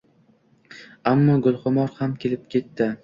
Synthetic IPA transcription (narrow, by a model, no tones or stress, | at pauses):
amːɒɡʊlˠχʊmɒɾhamkʲe̞lɪp̚kʲʰe̞t̪ːɪ